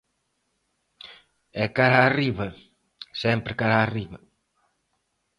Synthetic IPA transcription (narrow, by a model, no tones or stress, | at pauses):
ɛkaɾaːriβɐ | sɛmpɾɪkaɾaːriβɐ